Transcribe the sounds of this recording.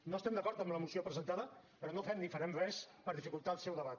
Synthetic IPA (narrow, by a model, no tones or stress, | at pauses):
nost̪ɛmd̪əkɔɾt̪əmləmusiopɾəzənt̪aðə | pəɾɔnofɛmnifəɾɛmrɛspəɾðifikulˠt̪alˠsɛwðəβat̪̚